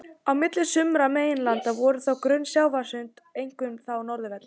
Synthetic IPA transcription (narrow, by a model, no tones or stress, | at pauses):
awmɪt̪lɪsʏmɾameːjɪnlant̪avɔɾʏθawkɾœnsjaːwvḁsʏnt̪ejŋkʏmθawnɔɾðʏvɛt̪l